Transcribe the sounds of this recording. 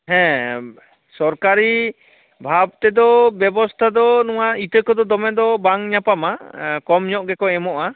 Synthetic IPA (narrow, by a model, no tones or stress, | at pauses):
ɦɛ̃ | sɔɾkaɾi | bʱabt̪ɛd̪ɔbjɛbɔst̪ʰad̪ɔnɔwait̪əkɔd̪ɔd̪ɔmɛd̪ɔbaŋɲapamakɔmɲɔʔɡɛkɔɛmɔʔa